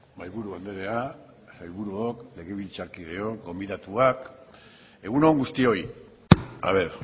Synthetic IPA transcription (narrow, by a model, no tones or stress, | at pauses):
majβuɾuβand̪e̞ɾe̞a | sajβuɾuokle̞ɣe̞β̞ilt͡saɾkiðe̞o̞ɡo̞mbiðat̪uak | e̞ɣ̞unoŋɡust̪io̞j | a̰β̞e̞ɾ